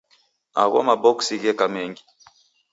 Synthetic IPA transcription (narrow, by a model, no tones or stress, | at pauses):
a̰ɣɔ̰mabɔksiɣɛkamɛŋɡi